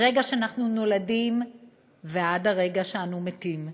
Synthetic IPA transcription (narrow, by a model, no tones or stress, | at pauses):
ʁeɡaʃeanaχnuno̞ladim | veadaʁe̞ɡaʃeanumetim